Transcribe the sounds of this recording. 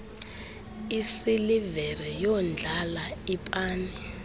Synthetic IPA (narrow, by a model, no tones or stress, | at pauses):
isilivɛrɛjɔnd͡ɮʱalaipʼaːni